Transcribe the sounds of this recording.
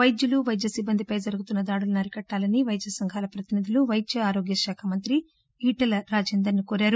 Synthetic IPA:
ʋɐjd͡ʒ̪juluʋɐjd͡ʒjɐsibːɐnd̪ʱipɐjd͡ʒɐɾuɡut̪unːɐd̪aːɽulunɐɾikɐʈːaːlɐniʋɐjd͡ʒjɐsɐŋɡʱaːlɐpɾɐt̪inid̪ʱiluʋɐjd̪jɐaːɾoːɡjɐʃaːkʰamɐnt̪ɾi | iːʈɐlɐɾaːd͡ʒeːnd̪ɐɾnukoːɾaːɾu

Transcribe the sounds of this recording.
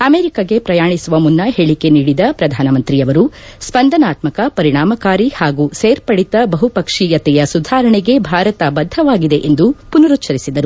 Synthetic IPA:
ɐmeːɾikɐɡe̞pɾɐjaːɳisuʋɐmunːɐɦeːɭike̞niːɽid̪ɐpɾɐd̪ʱaːnɐmɐnt̪ɾiɐʋɐɾu | spɐnd̪ʱɐnaːt̪mɐkɐpɐɾiɳaːmɐkaːɾihaːɡuseːɾpɐɽit̪ɐbɐɦupɐkʂijɐt̪ɛjɐsud̪ʱaːɾɐɳɛɡe̞bʱaːɾɐt̪ɐbɐd̪ʱːɐʋaːɡid̪e̞ʔend̪upunɐɾut̪ːt͡ʃʰɐɾisid̪ɐɾu

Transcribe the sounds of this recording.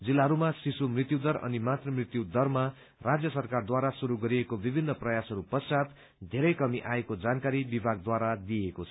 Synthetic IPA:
d͡zilːaɦʌɾumasisumrit̪jud̪ʌrʌ̰nimat̪rʌmrit̪jud̪ʌrma | rad͡zjʌsʌrkard̪waɾasuɾuɡʌɾiekobibʱinːʌprʌjasɦʌɾupʌt͡sat̪ | d̪ʱeɾʌjkʌmiʔaekod͡zankaɾibibʱaɡ̚d̪waɾad̪iekot͡sʰʌ

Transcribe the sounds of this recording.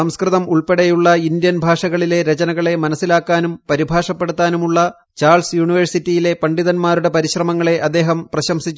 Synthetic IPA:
ɐmskrɨðɐmuɭpeɽɐjuɭːɐind̪jɐnbʱaːʂɐɣɐɭile̞ɾet͡ɕɐnɐɣɐɭe̞mɐnɐsːilaːkːaːnumpɐɾibʱaːʂɐpːe̞ɽut̪ːaːnumuɭːɐ | t͡ɕaːrɭsjuːɳiʋɐrsitːijile̞pɐɳɖiðɐnmaːɾuɽe̞pɐɾiɕrɐmɐŋːɐɭe̞ʔɐd̪ːe̞ːɦɐmprɐɕɐmsit͡ɕː

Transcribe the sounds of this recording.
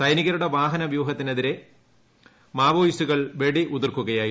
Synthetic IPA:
sɐjniɣɐɾuɽe̞ʋaːɦɐnɐʋjuːɦɐt̪ːineðiɾe̞ | maːʋoːjsuɣɐɭʋe̞ɽiʔuðirkuɣɐjaːj

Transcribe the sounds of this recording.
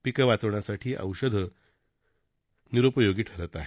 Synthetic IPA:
pikəʋat͡səʋɳasaʈʰiːʔə̰wɕəd̪ʱə | niɾopəjoɡiːʈʰəɾət̪aɦe

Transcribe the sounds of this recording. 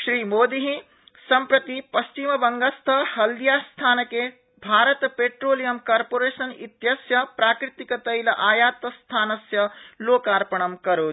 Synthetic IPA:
ʃɾiːmoːd̪iɦĩ | sɐmpɾɐt̪ipɐst͡ʃimɐbɐŋɡɐst̪ʰɐhɐld̪ijaːst̪ʰaːnɐke | bʱaːɾɐt̪peːʈɾoːlijɐmkaːɾpoːɾeːsɐnḭt̪jɐsjɐpɾaːkɾit̪ikɐt̪ɐjlɐʔaːjaːt̪ɐst̪ʰaːnɐsjɐloːkaːɾpɐɳɐmkɐɾoː

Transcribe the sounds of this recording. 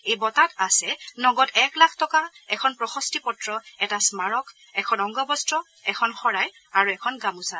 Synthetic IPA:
ejbɔtatasɛnɔɡɔtɛklakʰtɔkaɛkʰɔnpɹɔxɔstipɔtɹɔɛtasmaɹɔkʰ | ɛkʰɔnɔŋɡɔbɔstɹɔ | ɛkʰɔnxɔɹaj | aɹuɛkʰɔnɡamusa

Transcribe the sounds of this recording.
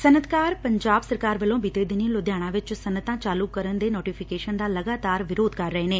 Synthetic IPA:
sənət̪kaːɾpəɲd͡ʒaːbsəɾkaːɾʋəlõːbiːt̪eːd̪ɪnilod̪jaːɽ̃ãːʋɪt͡ʃsənət̪ãːt͡ʃaːlukəɾənd̪eːnoːʈiːpʰɪkeːʃənd̪aːləɡaːt̪aːɾʋɪɾoːd̪kəɾːəɦeːneː

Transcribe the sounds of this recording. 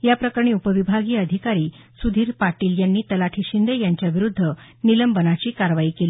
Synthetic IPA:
japɾəkaɳ̃ẽːupəʋibʱaɡiːəd̪ʱikaɾiː | sud̪ʱiːɾpaʈiːljanːiːt̪əlaʈʰiːɕind̪ejaɲt͡ɕjaʋiɾud̪ʱːə | niləmbənat͡ɕiːkaɾʋaiːkeliː

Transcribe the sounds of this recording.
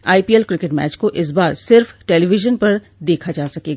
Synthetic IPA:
aːipiːɛlkɾɪkɪʈmɛ̰ːt͡ʃkoʔɪs̬baːɾsɪɾfʈɛliːʋɪʒənpɐɾ | d̪eːkʰad͡ʒaːsɐkeːɡaː

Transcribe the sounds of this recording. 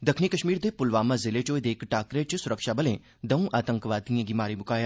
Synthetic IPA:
d̪ɐkʰnikɐʃmiːɾd̪epʊlʋaːmãzɪlet͡ʃoːed̪eːkʈaːkɾet͡ʃsʊɾəkʃabɐlẽː | d̪ɐũʔaːt̪ə̃ŋkʋaːt̪ijãɡɪmaːɾibʊkaːjaː

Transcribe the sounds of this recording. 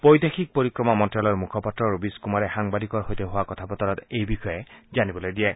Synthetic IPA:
pojd̪exʰik̚poɹikɹɔmamɔntɹalɔɹmukʰɔpatɹɔɹubiskumaɹɛxaŋbad̪ikɔɹɦojt̪eɦʊwakɔt̪ʰapɔt̪ɔɾɔt̪ejbixɔjezanibɔlojdiɛ

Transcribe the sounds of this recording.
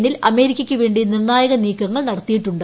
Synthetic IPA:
nilʔɐme̞ːɾikʲːɐkʲːɨʋeːɳɖinirnaːjɐɣɐniːkːɐŋːɐɭnɐɽɐt̪ːijiʈːuɳɖɨ

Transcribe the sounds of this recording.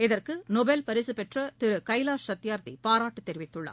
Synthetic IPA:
ɪðɐrkɯnɔbelpɐɾɪsɯpɛʈrɐt̪ɪɾɯkɐɪlaːsɐt̪ːɪjaːɾt̪ḭpaːɾaːʈːɯt̪ːɛɾɪʋɪt̪ːɯɭːɐ̰ː

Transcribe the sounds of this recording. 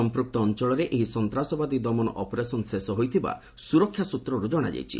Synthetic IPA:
ɔmpɾuk̚t̪ɔːnt͡ʃɔɭɔɾeʔeɦisɔnt̪ɾasɔbad̪id̪ɔmɔnɔ̰ʔɔpɔɾesɔnsesɔɦojt̪ʰiba̰ | suɾɔkʰːjasut̪ɾɔɾud͡ʒɔɽ̃a̰d͡ʒa̰jt͡ʃʰḭ

